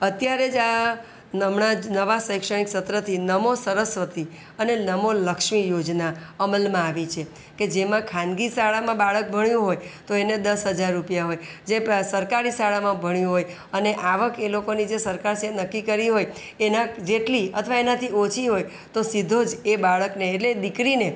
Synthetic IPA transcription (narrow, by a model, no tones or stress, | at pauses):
ət̪jaɾed͡ʒa | nəmɳanəʋasəjkʃəɽ̃iksət̪ɾət̪ʰinəmosəɾəsʋət̪i | ənenəmoləkʃmijod͡ʒnaəməlmãaʋit͡ʃʰe | ked͡ʒemãkʰãnɡisaɭamãbaɭək̚bʱəɳjũɦojt̪oened̪əsɦəd͡ʒaɾːupijaɦoj | d͡ʒesəɾkaɾisaɭamãbʱəɳjũɦoj | əneʔaʋəkelokonid͡ʒesəɾkaɾsenəkːikəɾiɦoj | enãd͡ʒeʈliət̪ʰʋaenat̪ʰiot͡ʃʰiɦoj | t̪osid̪ʱod͡ʒebaɭəkneːʈled̪ikɾine